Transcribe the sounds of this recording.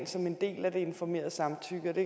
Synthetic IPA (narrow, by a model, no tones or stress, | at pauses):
nsɒ̽me̝nd̥e̝̰ːlæd̥e̝e̝nfɒme̝̰ːɐðˠəsɑ̈mt͡sʰyɡ̥əɒd̥e̝